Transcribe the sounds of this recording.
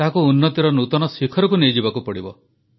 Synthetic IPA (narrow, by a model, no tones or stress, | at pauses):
t̪aɦkuːnːɔt̪iɾɔnut̪ɔnɔsikʰɔɾɔkunejd͡ʒibakupɔɽibɔ̰